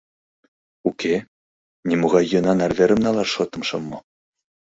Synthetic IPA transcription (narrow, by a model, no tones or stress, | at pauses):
ukʰe | nʲimuɣɑjːɤ̆nɑnɑrβeɾə̆mnɑlɑrʃot̪ɤ̆mʃɤ̆mːɤ̆